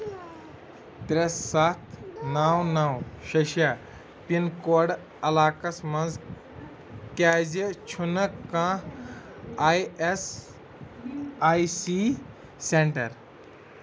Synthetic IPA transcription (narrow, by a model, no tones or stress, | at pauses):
t̪ɾesːat̪nawnawʃɐʃja | pinkoːɖ | ɐlaːkɐsmɐ̃nz | kaːzet͡ʃʰunɐkːãː | ajes | aːjsi | seɳʈɐɾ